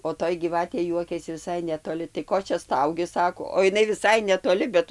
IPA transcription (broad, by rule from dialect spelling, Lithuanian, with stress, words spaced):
oː ˈtoːj ɡʲiːˈʋɑːtʲeː ˈjuɔkʲɛsʲɪ ʋʲɪˈsɐɪ nʲɛtoːˈlʲɪ tɐɪ ˈkoː t͡ʃʲɛ ˈstɐʊɡʲɪ ˈsɑːkoː oː ɪˈnɐɪ ʋʲɪˈsɐɪ nʲɛtoːˈlʲɪ bʲɛt